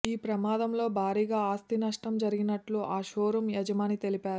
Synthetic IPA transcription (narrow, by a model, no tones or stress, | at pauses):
iːpɾɐmaːd̪ɐmlo̞ːbʱaːɾiːɡaːaːst̪inɐʂʈɐmd͡ʒɐɾiɡinɐʈluʔaːʃoːɾumjɐd͡ʒɐmaːnit̪e̞lipaːɾu